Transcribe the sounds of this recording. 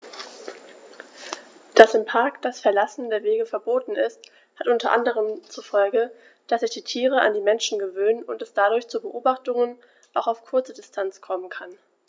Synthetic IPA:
d̥asɪmpʰaɐkd̥asfɛɐlasn̩deːɐveːɡəfɛɐboːtn̩ɪst | hatʔʊntʰɐʔa̰ndəʁ̞əmt͡sufɔlɡə | d̥asz̥ɪçd̥iːtʰiːʁ̞əʔa̰ndiːmɛnʃn̩ɡəvøːnənʊ̰ntɛsd̥adʊɐçt͡subəʔoːbaχtʊŋən | ʔaʊxaʊfkʰʊɐt͡sədɪstʰant͡skʰɔmənkʰan

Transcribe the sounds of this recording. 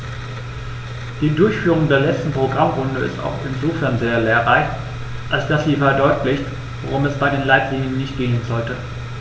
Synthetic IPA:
d̥iːdʊɐçfyːʁ̞ʊŋdeːɐlɛt͡stn̩pʁ̥oɡʁamʁʊndəɪ̰sta̰ʊxɪnzoːfɛɐnzeːɐleːɐʁaɪ | ʔalsd̥asz̥iːfɛɐdɔʏtlɪçt | voʁʊmɛsb̥aɪdeːnlaɪtʰliŋənːɪçt̚ɡ̥eːənzɔltə

